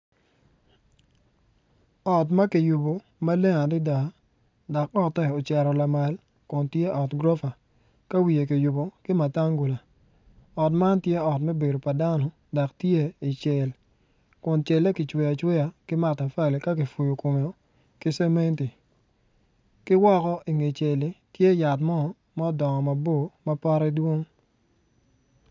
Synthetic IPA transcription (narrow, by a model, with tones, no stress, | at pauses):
ɔ˨tma˦kɪ˨ju˨bo˨ | ma˦le˦ŋa˨dɪ˦da˨˦ | da˨kɔ˦tɛ˦o˨t͡ʃɛ˨ɾɔ˨la˨ma˨l | kʊ˨ntje˦ʔɔ˨tɡɾɔ˦fa˨ | ka˦wi˨je˨kɪ˨ju˨bo˨kɪ˦ma˨ta˦ŋɡu˨la˨ | ɔ˨tma˦ntje˦ɔ˨tmɛ˦be˨do˨pa˨da˦nɔ˨ | da˨ktje˦i˨t͡ʃe˨l | kʊ˨nt͡ʃɛ˨lːe˦kɪ˨t͡ʃwɛ˨ja˨t͡ʃwɛ˦ja˨kɪ˦ma˨ta˨fa˦le˨ka˦kɪ˨fu˨jo˨ko˨mo˨˦ | kɪ˦sɛ˦me˦nti˨ | kɪ˦wɔ˦kɔ˦ʔi˨ŋe˨t͡ʃe˨li˨tje˦ja˨tmɔ˦˨ | ma˦ɔ˦dɔ˨ŋɔ˨ma˨bo˦˨ma˦pa˦ɾɛ˦dwo˦ŋ